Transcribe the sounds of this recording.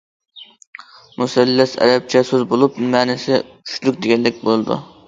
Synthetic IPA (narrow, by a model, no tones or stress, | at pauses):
musɛlːɛsɛ̰ɾɛp̚t͡ʃʰɛsøzbolˠupmæːnɪsɪt͡ʃʲʰy̥ʃlykʲd̪eɡʲɛlːɪk̚ʲbolˠɨd̪ṵ